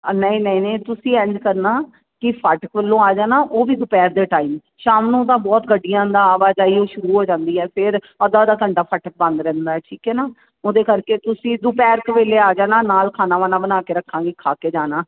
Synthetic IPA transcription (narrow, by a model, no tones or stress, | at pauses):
nəĩːnəĩːnɛːt̪ʊsĩːɛ̃ːɳɖkəɾnaː | kɪpʰəʈək̚bəlːõːaːd͡ʒaːnaːʔoːʋiːd̪ʊpɛːɾd̪eːʈaːiːm | ʃaːmnũːd̪ãːbɔːt̪ɡəɖɪjãːnd̪aːʋaːd͡ʒaːiːoːʃʊɾuːɦoːd͡ʒãːnd̪iːɛːpʰɪɾ | əd̪aːd̪aːkəɳʈaːpʰəʈək̚bə̃nd̪ɾɛ̃ːnd̪aːɦɛːʈʰiːkɛːnaː | oːd̪eːkəɾkeːt̪ʊsĩːd̪ʊpɛːɾkʋeːleːaːd͡ʒaːnaːnaːlkʰaːnãːʋaːnãːbənaːkeːɾəkʰːãːŋɡeːkʰaːkeːd͡ʒaːnaː